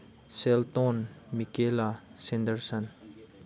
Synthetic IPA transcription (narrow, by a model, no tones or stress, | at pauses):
selt̪onmikelasɛ̃nd̪əɾsən